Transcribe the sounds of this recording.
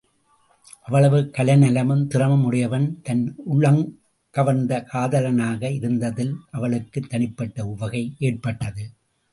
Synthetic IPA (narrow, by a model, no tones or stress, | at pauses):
ʔɐʋːɐɭɐʋɯkɐlɐnɐlɐmɯmt̪ɪrɐmɐmʊɽɪjɐʋɐnt̪ɐnʊɭɐŋ | kɐʋɐnd̪ɐkʰaːðɐlɐnaːɣɐɪɾɯnd̪ɐðɪlʔɐʋɐɭɯkːɯt̪ːɐɳɪpːɐʈːɐʊʋɐɣɐɪʔeːʈ̚pɐʈːɐðɯ